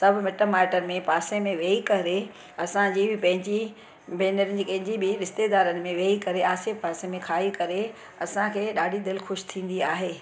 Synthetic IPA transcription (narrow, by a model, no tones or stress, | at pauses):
sɐbʱɪmɪʈəmaːɪʈəɾmẽpaːsẽmẽʋeːikɐɾe | ɐsãd͡ʑiːbʱɪpɐ̃ɦɪ̃ɲd͡ʑi | beːnəɾɪnɪ̆d͡ʑiːkɐ̃ɦɪ̃ɲd͡ʑibʱɪɾɪst̪ed̪aːɾənɪ̆mẽʋeːikɐɾeaːsepaːsẽmẽkʰaːikɐɾe | ɐsãkʰeːɗaːɖʱid̪ɪlxʊʃt̪ʰĩːn̆d̪iaːɦeː